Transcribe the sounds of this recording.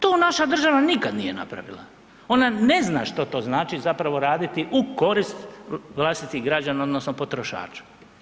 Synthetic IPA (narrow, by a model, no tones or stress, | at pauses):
t̪oːnaʃad̪r̩ʒaʋanikad̪nije̞na̰pɾa̰ʋḭlˠa̰ | o̞nane̞zna̰ʃt̪ot̪o̞ːznaːt͡ʃizapɾaʋo̞ɾaːd̪it̪iʔuko̞ɾist̪ʋlˠast̪it̪iɣɡɾad͡ʑanaod̪no̞snopo̞t̪ɾo̞ʃa̰ːt͡ʃḁ